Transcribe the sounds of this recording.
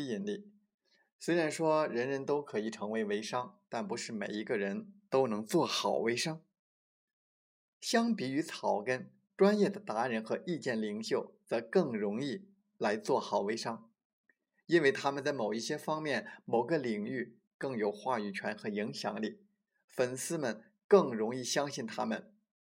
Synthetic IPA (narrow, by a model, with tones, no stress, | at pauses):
i˥i˧˩nli˥˩ | swe˥ɪɻa˧˥nʂwɔ˥ɻə˧˥nɻə˧˥nt̪o˥ʊkʰɤ˧˥i˨˩ʈ͡ʂʰɤ˧˥ŋwe˧˥ɪwe˧˥ɪʂɑ˥ŋt̪a˥˩npu˧˥ʂɻ̩˥˩mḛ˨˩ɪi˧˥ɡə˥˧ɻə˧˥nt̪o˥ʊnɤ˧˥ŋt͡swɔ˥˩xɑ˨˩ʊwe˧˥ɪʂɑ˥ŋ | ɕjɑ˥ŋpi˧˥y˧˥t͡sʰɑ˨˩ʊkə˥n | ʈ͡ʂwa˥njɛ˥˩d̪ə˩t̪a˧˥ɻə˧˥nxɤ˧˥ʔi˥˧t͡ɕjɛ˥˩nli˨˩ŋɕjo˥˩ʊt͡sɤ˧˥kɤ˥˩ŋɻʊ˧˥ŋi˥˩ | la˧˥ɪt͡swɔ˥˩xɑ˨˩ʊwe˧˥ɪʂɑ˥ŋ | i˥nwe˥˩ɪt̪ʰa˥mə˨˧nt͡sa˥˩ɪmo˨˩ʊi˥˩ɕjɛ˥fɑ˥ŋmjɛ˥˩nmo˨˩ʊɡə˧li˨˩ŋy˥˩ | kɤ˥˩ŋjo˨˩ʊxwa˥˩y˨˩t͡ɕʰɥɛ˧˥nxɤ˧˥i˧˥ŋɕjɑ˨˩ŋli˥˩ | fə˨˩nsɹ̩˥mə˨n | kɤ˥˩ŋɻʊ˧˥ŋi˥˩ɕjɑ˥ŋɕi˥˩nt̪ʰa˥mə˨n